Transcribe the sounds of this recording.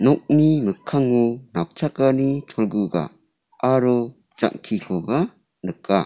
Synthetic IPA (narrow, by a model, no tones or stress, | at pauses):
nɔk̚nimɯkʰːaŋunak̚t͡ʃʰakanit͡ʃʰɔlɡuɡa̰ː | ɾɔ | t͡ʃa̰ŋkʰikʰɔba | nɯkːa